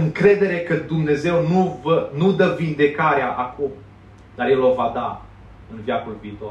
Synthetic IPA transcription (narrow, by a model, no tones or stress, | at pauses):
ɨŋkɾe̞d̪e̞ɾe̞kəd̪umne̞ze̞wnuvənud̪əvind̪e̞kaɾeaʔakum | d̪aɾje̞lo̞vad̪a | ɨnvjakulviːt̪o̞r